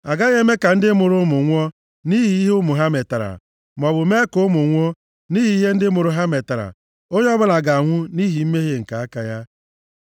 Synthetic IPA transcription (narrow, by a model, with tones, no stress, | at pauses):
a˨ɡa˦ɣe˦me˦ka˨n̩˦dɪ˦mʊ˨ɾʊ˦mʊ˨ŋʷɔ˦ | ni˦ɦi˨i˦ɦʊ˦mʊ˨ɦa˦me˨ta˨ɾa̰˨ | m˨ɔ˨bʊ˨me˦ko˦mʊ˨ŋʷɔ˦ | ni˦ɦi˨i˦ɦe˦n̩˦dɪ˦mʊ˨ɾʊ˦ɦa˦me˨ta˨ɾa̰˨ | o˦ɲ˦ɔ˦bʊ˦la˨ɡa˨ŋʷʊ˦ni˦ɦi˨m̩˦me˦ɦe˦ŋ̩˨ka˨a˦ka˨ja˦